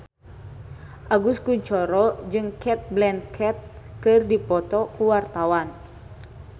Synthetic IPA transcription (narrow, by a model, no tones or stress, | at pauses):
ʔaɡuskuɲt͡ʃɔɾɔd͡ʒɨŋkʰɛt̪̚blɛnkʰɛt̪̚kɨrdipɔt̪ɔkuwart̪awan